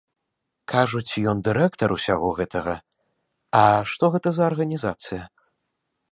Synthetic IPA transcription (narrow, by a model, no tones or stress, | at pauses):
kʰaʐut͡sʲijɔnd̪ɨɾɛkt̪ɐɾusʲaɣɔɣɛt̪ʰɐɣɐ | ɐʂt̪ɔɣɛt̪ɐzɐːrɣɐnʲizat̪sɨjɐ